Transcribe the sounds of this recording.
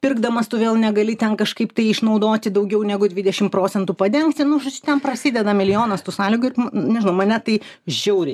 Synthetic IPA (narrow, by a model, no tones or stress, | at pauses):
pʲɪrɡd̪ɐmɐst̪ʊʋʲeːlˠnʲɛɡɐlʲɪt̪ʲɛnkɐʃkɐɪpt̪ɐɪɪʃnɐʊd̪oːt̪ʲɪd̪ɐʊɡʲɛʊnʲɛɡʊd̪ʲʋʲɪd̪ʲɛʃʲɪmpɾoːt͡sʲɛnt̪upɐd̪ʲɛŋkt̪ʲɪnʊʒɐt͡ʃʲʊt̪ʲɛnprɐsʲɪdʲɛd̪ɐmʲɪlʲɪjoːnɐst̪usɑːlʲɪɡʊɪrmnʲɛʒʲɪnɐʊmɐnʲɛt̪ɐɪʒʲɛʊɾʲɛɪ